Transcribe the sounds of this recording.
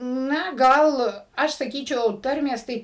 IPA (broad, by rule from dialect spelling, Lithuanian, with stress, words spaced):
ˈnɐ ˈɡɐlˠ ˈɐʃ sɐˈkʲiːt͡ʃʲɛʊ ˈtɐrʲmʲeːs ˈtɐɪ